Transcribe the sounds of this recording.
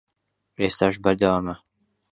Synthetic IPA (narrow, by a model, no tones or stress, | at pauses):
ʔest̪aːʃbɐɾd̪ɐwaːmɐ